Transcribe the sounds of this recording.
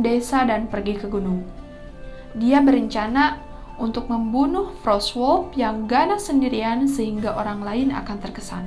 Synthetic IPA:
desadanpərɡikəɡunʊŋ | diabəɾəɲt͡ʃana | unt̪ʊk̚məmbunʊhfɾɔswɔlpjaŋɡanasəndiɾiansəɦiŋɡaʔoɾaŋlaɪna̰kant̪ərkəsa̰n

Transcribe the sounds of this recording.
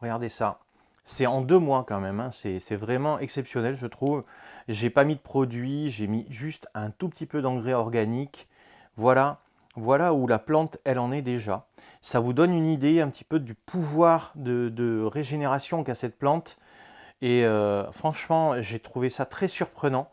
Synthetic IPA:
ʁəɡaʁd̪esa | sɛɑ̃d̪ømwakɑ̃mɛmɛ̃sɛsɛvʁɛmɑ̃ʔɛksɛpsjɔnɛlʒət̪χuvʒepamid̪əpχɔd̪ɥiʒemiʒyst̪ɛ̃t̪upət̪ipød̪ɑ̃ɡʁɛɔʁɡanik | vwala | vwalaulaplɑ̃t̪ɛlɑ̃nɛd̪eʒa | savud̪ɔnynid̪eɛ̃pət̪ʰi̥pød̪ypʰuvwaʁd̪əd̪əʁeʒeneʁasjɔ̃kʲasɛt̪̚plɑ̃t̪ | eøfχɑ̃ʃmɑ̃ʒet̪χuvesat̪χɛsyʁpχənɑ̃

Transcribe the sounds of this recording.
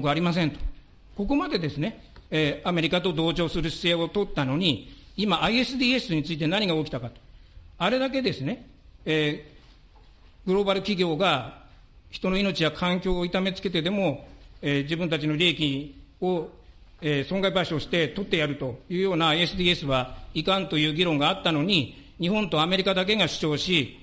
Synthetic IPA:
kɯaɾʲimas̬ẽnt̪o̥ | ko̞ko̞mad̪e̞d̪e̞sɨne̞ | eame̞ɾʲikat̪o̞d̪o̞ːt͡ɕo̞ːsɨɾɯ̟ɕi̥se̞ːo̞t̪o̞t̪ːano̞ɲ̟iːmaːie̞sɨd̪iːe̞sɨɲ̟it͡sɨit̪e̞naɲ̟iɡaokʲi̥t̪akat̪o̥aɾe̞d̪ak̬e̞d̪e̞sɨne̞ | eː | ɡ̥ɯ̟ɾo̞baɾɯ̟kʲiɡʲo̞ːɡa | çi̥t̪o̞no̞ino̞t͡ɕiβakʰãŋkʲo̞ːit̪ame̞t͡sɨ̥ke̞t̪e̞d̪e̞mo̞eːd͡ʑibɯ̟̃nt̪at͡ɕino̞ɾʲeːkʲio̞ | eːsõ̞ŋɡaibaɕoːɕi̥t̪e̞t̪o̞t̪ːe̞jaɾɯ̟t̪o̞jɯ̟ːjo̞ːnaːie̞sɨd̪iːe̞sɨβaikãnt̪o̞jɯ̟ːɡʲiɾõ̞ŋɡaːt̪ːano̞ɲ̟i | ɲ̟ihõ̞nt̪o̞ame̞ɾʲikad̪ak̬e̞ɡaɕɨ̥t͡ɕo̞ːɕi

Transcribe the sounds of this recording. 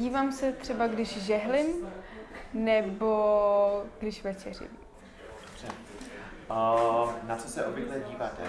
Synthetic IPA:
iːvaːmsɛt̪r̥ɛbaɡdɪʃʒɛɦlɪm | nɛbo̞ | ɡ̥dɪʃvɛt͡ʃɛr̝ɪ̰m | dd̥obr̥ɛ | nat͡sosɛʔobjɪɡlɛɟiːvaːt̪ɛ̰

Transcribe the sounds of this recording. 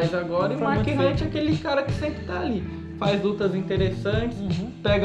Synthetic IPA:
jzaɡɔɾɐmaɾkiɦɐ̃t͡ʃɪakelɪkaɾɐkɪ̥sẽmpɾɪ̥t̪aːli | fajzlut̪ɐzĩt̪eɾesɐ̃t͡ʃɪ̥spɛɡɐ

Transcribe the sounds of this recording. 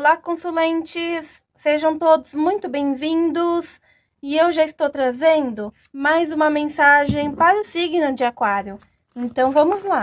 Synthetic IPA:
lakõsulẽnt͡ʃɪsː | eʒɐ̃w̃t̪od̪ʊzmũj̃t̪ʊbẽj̃vĩnd̪ʊs | ɪewʒaɪst̪owt̪ɾazẽnd̪ʊ | majzũmɐmẽsaʒẽj̃paɾʊsiɡnʊd͡ʒɪakwaɾjʊ | ẽnt̪ɐ̃w̃vɐ̃mʊzla

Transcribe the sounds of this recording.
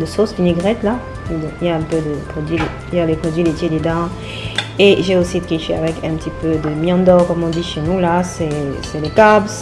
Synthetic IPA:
d̪əsoskineɡʁɛt̪la | d̪ɔ̃iljaɛ̃pød̪əpχɔd̪ɥile | iljalepχɔd̪ɥilet̪jed̪ed̪ã | eʒeosit̪χiʃea̰vɛkɛ̃pət̪ipød̪əmjɑ̃d̪ɔʁkɔmɔ̃d̪iʃenulasɛsɛlekabs

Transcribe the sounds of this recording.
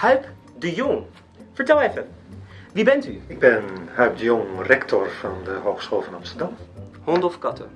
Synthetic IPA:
hœɥp | dəjʊŋ | fəɹtɛlˠɛfə | ʋibɛntyɪɡ̚bɪnhœɥp̚dəjɔŋrɛktʰɔrfɑndəɦoːxsχoːlˠvɑnɑmstəɹdɑmhɔntɔfkɑtə̰

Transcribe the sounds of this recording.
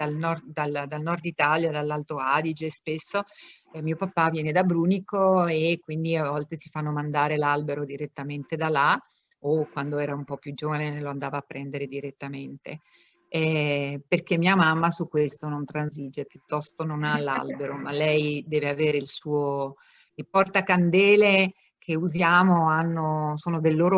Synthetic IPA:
d̪̥alnɔrd̪ald̪alnɔrd̪it̪aljad̪alːalt̪oad̪id͡ʒespesːo | miopapːavjɛːned̪abɾuːnikoekːwind̪iavɔlt̪esifanːomand̪aːɾelalbeɾod̪iɾet̪ːament̪ed̪alːa | okːwand̪oɛːɾaumpɔpːjud͡ʒːoːvaneneloand̪aːvaːpːɾɛnd̪eɾed̪iɾet̪ːament̪e | ɛperk̟emːiːamamːasukːwest̪onont̪ɾanzid͡ʒepjut̪ːɔst̪ononalːa̰lbeɾomalːɛjd̪ɛːveaveːɾeilsuːo | ilpɔrt̪akand̪ɛːle | kʰeuzjaːmoanːosoːnod̪elːoːɾo

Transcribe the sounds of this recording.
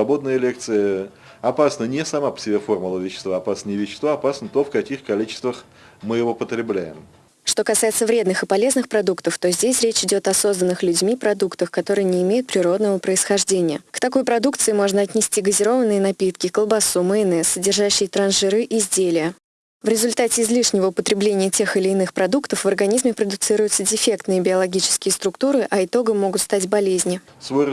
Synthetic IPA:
svɐbo̞d̪nəjəlʲe̞k̚t̪sɨjə | ɐpasnənʲɪsɐmapə̥sʲɪbʲefo̞rmʊlˠəvʲɪɕːɪst̪vaːpasnəɪvʲɪɕːɪ̥st̪vaɐpasnət̪ofkɐkʲixkɐlʲit͡ɕɪ̥st̪vəx | mɨjɪvo̞pət̪ɾʲɪblʲæjɪ̰m | ʂt̪o̞kɐsajɪt̪səvɾʲe̞d̪nɨxɨpɐlʲe̞znɨxpɾɐd̪ukt̪əft̪o̞zʲdʲesʲɾʲet͡ɕɪdʲo̞t̪ɐso̞znənːɨxlʲʉdʲmʲipɾɐd̪ukt̪əxkɐt̪o̞ɾɨjənʲɪːmʲejʊt̪̚pɾʲɪɾo̞d̪nəvəpɾəɪsxɐʐdʲenʲɪjəkt̪ɐko̞jpɾɐd̪ukt̪sɨɪmo̞ʐnəɐt̪ʲnʲɪsʲtʲiɡəzʲɪɾo̞vənːɨjənɐpʲit̪kʲɪkəlˠbɐsumɨɪnɛsədʲɪrʐaɕːɪjət̪ɾɐnʐɨɾɨʔɪzʲdʲelʲɪjə | vɾʲɪzʊlʲt̪atʲɪːzlʲiʂnʲɪvəʊpət̪ɾʲɪblʲenʲɪjətʲe̞xɪlʲɪːnɨxpɾɐd̪ukt̪əfvərɡɐnʲizmʲɪpɾəd̪ʊt̪sɨɾʊjʊt̪sədʲɪfʲe̞kt̪nɨjəbʲɪɐlˠɐɡʲit͡ɕɪ̥skʲɪjəst̪ɾʊkt̪uɾɨʔɐɪt̪o̞ɡəmːo̞ɡʊt̪st̪atʲbɐlʲezʲnʲɪ

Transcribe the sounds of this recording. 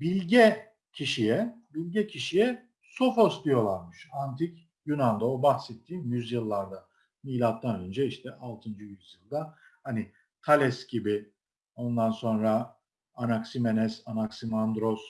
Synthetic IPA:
bilʲɟɛ | cʰiʃijɛbilʲɟɛcʰiʃijɛ | so̞fo̞sd̪ijo̞lˠaɾmɯʃant̪ʰic | jynand̪aobahsɛt̪ʰːiːmjyzjɯlˠːaɾd̪a | miːlʲat̪ːanø̞nd͡ʒɛiʃt̪ʰɛalˠt̪ʰɯnd͡ʒɯjyzjɯlˠd̪a | hanɪ | t̪ʰalʲɛsɟibi | o̞nd̪anso̞nɾa | anaksimenɛsanaksimand̪ɾo̞s

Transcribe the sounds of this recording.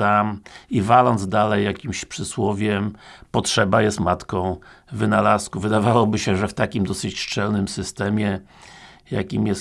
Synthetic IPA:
amivalɔnd̪zd̪alɛjːakʲimɕpʂɘswɔvʲjɛmpɔtʂɛbajɛst̪mat̪kɔ̃w̃ | vɘnalaskuvɘd̪avawɔbɘɕɛʐɛft̪akʲimd̪ɔsɘt͡ɕʂt͡ʂɛlnɘmsɘst̪ɛmʲjɛ | ja̰kʲimjɛs

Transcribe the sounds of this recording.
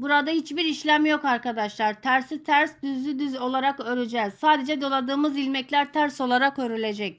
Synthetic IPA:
buɾad̪ahit͡ʃbiɾiʃlʲæmjo̞kaɾkad̪aʃlˠaɾt̪ʰæɾsit̪ʰæɾsd̪yzlʲyd̪yzo̞lˠaɾakø̞ɾed͡ʒɛːz̥saːd̪e̞d͡ʒɛd̪o̞lˠad̪ɯːmɯzilʲmɛclʲæɾt̪ʰæɾso̞lˠaɾakøɾylʲe̞d͡ʒɛc̚

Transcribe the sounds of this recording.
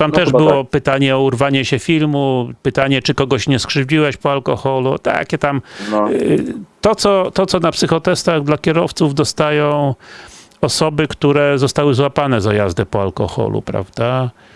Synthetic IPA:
t̪amt̪ɛʐbɘwɔpɘt̪aɲɛɔuɾvaɲɛɕɛfʲilmupɘt̪aɲɛt͡ʂɘkɔɡɔɕɲɛskʂɘvd͡ʑiwɛɕpɔalkɔxɔlut̪a̰kʲɛt̪am | t̪ɔt̪sɔt̪ɔt̪sɔnapsɘxɔt̪ɛst̪aɣd̪lakʲɛɾɔft̪suvd̪ɔst̪ajɔ̃w̃ | ɔsɔbɘkt̪uɾɛzɔst̪awɘzwapanɛzajazd̪ɛpɔalkɔ̰xɔ̰lṵpɾa̰vd̪a

